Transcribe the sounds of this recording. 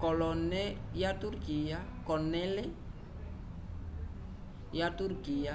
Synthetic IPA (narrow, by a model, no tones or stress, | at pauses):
kɔlɔnejat̪urkiakɔnele | jat̪urɡia